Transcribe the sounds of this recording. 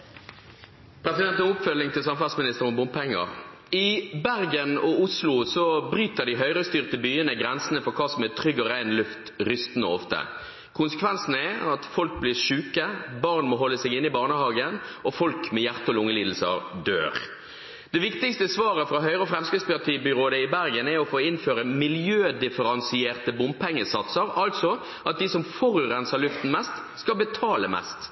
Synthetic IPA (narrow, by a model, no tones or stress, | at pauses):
pʰɾɛsɪd̪ɛnt̪ənʊpfœlːɪŋt̪ʰɪlsɑmfɑʁsmɪnɪst̪əʁɔmbʊmppʰɛŋːə̰ʁ | ɪbæʁɡənɔʊslʊsɔbɾyːt̪əʁd̪iɦœʏʁəst̪yːʁt̪əbyːənəɡʁɛnsənəfɔʁkʰɑːsɔmɛt̪ʰɾʏɡːɔɾæɪnlʉft̪ɾʏst̪nəɔft̪ə̰ | kʰʊnsəkʰʋɛnsnəɛɑt̪fɔlk̚bliːʂʉːkəbɑʁnmɔɦɔlːəsɛɡɪnːɪbɑːʁnəhɑːɡənɔfɔlkmɛjæʁt̪əɔlʊŋːəliːd̪l̩sə̰ɾd̪ø̰ːɾ | d̪̥ɛʋɪkt̪ɪkst̪əsʋɑːɾəfɾɑɦœʏɾəɔfɾɛmskɪspɑt̪ʰiːbʏɾoːd̪əɪbæɾɡənɛɾɔfoːɪnføːɾəmɪljøːd̪ɪfəɾɑnsɪeːʁt̪əbʊmpʰɛŋːəsɑt̪səɾɑlt̪sɔ | ʔɑt̪̚d̪ɪsɔmfɔɾʉːʁɛnsəʁlʉft̪n̩mɛst̪ | skɑbət̪ʰɑːləmɛ̰st̪